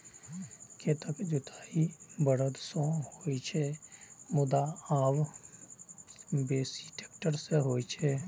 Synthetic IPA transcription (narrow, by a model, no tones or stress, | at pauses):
kʰet̪əkd͡ʒʊt̪ʰaːibəɾəd̪sõhoːit͡ʃʰemʊd̪aaːw | beːsi̥ʈeːk̚ʈəɾseɦoːit͡ʃʰɛ